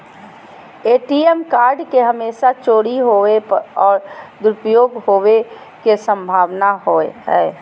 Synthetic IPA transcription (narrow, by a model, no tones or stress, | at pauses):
eːʈiemkaːɾɖkeɦəmeːsat͡ʃoːɽiɦoeɔːɾd̪ʊɾpjoːɡɦoːʋe | kesə̃mbʱaːʋnaɦoːeɦɛː